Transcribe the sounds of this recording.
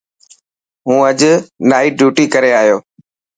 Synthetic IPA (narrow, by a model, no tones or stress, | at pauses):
ɦũːəʄnaːiːɖjuːʈiːkəɾeːaːɦijoː